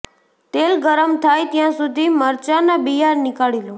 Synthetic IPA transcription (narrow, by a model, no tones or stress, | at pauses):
t̪elɡəɾəmt̪ʰajt̪jãsud̪ʱiməɾt͡ʃanabijaɾnɪkaɭilõ